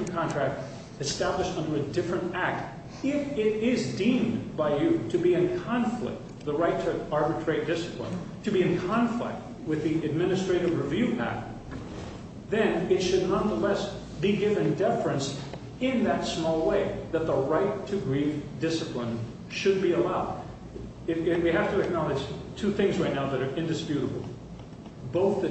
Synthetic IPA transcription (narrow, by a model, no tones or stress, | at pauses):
nkʰɑ̃ntʰɹ̥æk̚t | ɨstæbləʃtʌ̃ndə˞ɨdɪfɹɨ̃ntæk̚t | ɪfɪɾɪzdĩmbaɪjɨɾɨbiɨ̃nkʰɑ̃ɱflɪ̰k̚t̚ | ðəɹaɪtʰɨɑɹbɨtʰɹ̥eɪt̚d̥ɪsə̥pʰlə̰̃n | tʰɨbiɨ̃nkʰɑ̃ɱflɪ̰k̚t̚ | wɨðiʔɨd̚mɪ̃nɨstɹ̥eɪɾɨvɹɨvjʉʔæ̰k̚t | ðɨ̃nɪtʃɨdⁿnʌ̃nðəlɛs | b̥iɡɪvɨ̃ndɛfɹɨ̃ns | ɪ̃nðɨtsmɔlˠweɪðɨt̪̚ðəɹaɪtʰɨɡɹivdɪsɨpʰlə̃n | ʃɨd̚biəlaʊd̚ | ɪwiɦæftɨɨk̚nɑlˠɨ̥d͡ʒ̥tʰʉθɪ̃ŋzɹaɪtⁿnaʊðɨɾə˞ʔɨ̃ndɨspjʉɾəbl̩ˠ | boʊθɨ